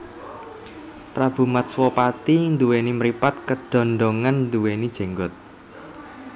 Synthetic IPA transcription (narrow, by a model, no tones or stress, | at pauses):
pɾab̥ṳmat̪̚swɔpat̪ind̪uwenimɾipat̪̚kəd̥ɔ̤nɖɔŋannd̪uwenid̥ʒ̥e̤ŋɡɔt̪̚